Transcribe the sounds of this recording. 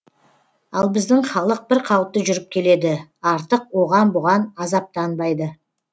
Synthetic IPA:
ɑlˠbɪzd̪ɪŋχɑlˠəq̚bɪɾqʰɑwəp̚t̪ːəʒʏɾɪp̚kʲʰe̞le̞d̪ɪɑɾt̪əq̚wo̞ʁɑnbʊʁɑnɑzɑp̚t̪ɑnbɑjd̪ə

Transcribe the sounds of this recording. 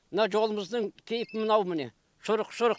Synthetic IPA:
mənɑʒo̞lˠəməzd̪əŋkʲʰejɪpɪmənɑwmɪne | ʃʊɾəqʃʊɾəq

